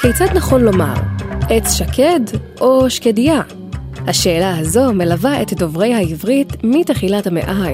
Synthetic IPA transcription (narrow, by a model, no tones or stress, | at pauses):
kejt͡sad̪naχo̞nlo̞ma̰ʁʔet͡sʃakʰedʔoʃkedia | haʃe̞ːlahazo̞me̞lavaetdo̞vʁe̞jhaivʁitmiteχilathamḛʔaj